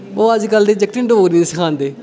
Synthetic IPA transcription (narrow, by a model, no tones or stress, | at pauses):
oːəd͡ʒkəld̪eːd͡ʒəkʈɪ̃ɳɖoːɡɾinːsəkʰãːnd̪eː